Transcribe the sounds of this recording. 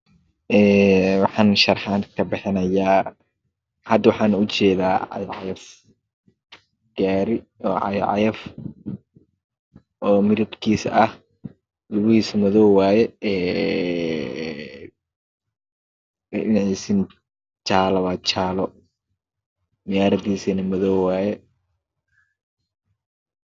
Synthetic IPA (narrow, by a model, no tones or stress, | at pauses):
ʔɛːwɑħɑːnʃɐrħaːnkʰɐbɪħɪnɐjaː | hɐd̪wɑħɑːnʊt͡ʃɛːðaːʕɑ̰jʕɑjɐf | ɡ̥aːɾɪ | ɔːʕɑ̰j̰ʕɑ̰jɐf | ʔɔːmɪɾɪd̪kʰiːsɐh | lʊβʊhiːsɐmɐðɔːwwaːjɛɛː | ɛʔɪnʕisɪn | t͡ʃaːlɐwaːt͡ʃaːlɔ | mɪjaːɾɐd̪iːsɐnɐmɐðɔːwwaːjɛ